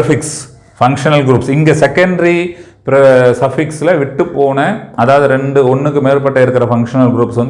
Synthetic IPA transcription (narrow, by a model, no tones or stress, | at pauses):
ɐfɪks | fɐŋkʂɐnɐlɡɪɾuːpsɪŋɡɐsɛkːɐɳɖɾi | pɪɾɐsɐfɪksɪlɐʋɪʈːɯpːoːnɐɐðaːʋɐðɯɾɛɳɖɯɔɳːɯk̬ːɯmeːɾpɐʈːɐɪɾɯkːɪɾɐfɐŋkʂɐnɐlɡɪɾuːpsʋɐnd̪